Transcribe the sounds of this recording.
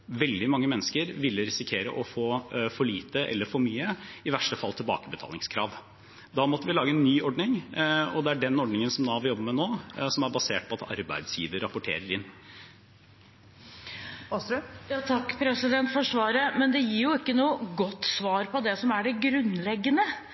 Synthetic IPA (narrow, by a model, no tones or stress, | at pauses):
ʋɛld̪ɪmɑŋːəmɛnːəskəɾʋɪlːɾɪsɪkʰeːɾə̰ʔɔfoːfɔɭiːt̪əʔɛ̰lːəɾfɔɾmyːəɪʋæʂʈəfɑlt̪ʰɪlbɑ̰ːkəbət̪ʰɑ̰lɪŋskʰɾɑ̰ːʋ | d̪ɑmɔt̪ːəʋɪlɑːɡəɛnːyːɔɖɳɪŋɔd̪ɛæɖɛnɔɖnɪŋənsɔmd̪ɑːɑʋɪɾjɔbːəmɛnoːsɔmæɾbɑseːʈ̚pʰɔɑt̪ɑ̰ɾbæ̰ɪd̪sjiːʋəɾɾɑpːʊʈʰḛːɾəɾɪnː | jɑːt̪ʰɑkːpʰɾɛsɪd̪ɛnt̪fɔʂʋɑːɾəmɛnd̪ɛjiːɾjʊɪkːənuːəɡɔt̪ːsʋɑːɾpɔd̪ɛsɔmæɖɛɡɾʉnlɛɡːənə